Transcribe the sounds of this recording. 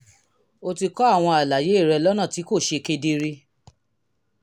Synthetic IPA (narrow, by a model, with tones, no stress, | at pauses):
o˧ti˧kɔ˦a˦˨w̃ɔ̃˧a˨la˨je˨˦˨ɾɛ˧lɔ˦nã˦˨ti˨˦ko˦˨ʃe˧ke˧di˧ɾi˧